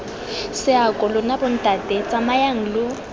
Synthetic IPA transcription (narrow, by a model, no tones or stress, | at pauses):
sɪakʼɔlʊnabʊn̩tʼatʼɛt͡sʼamajaŋ̩lʊ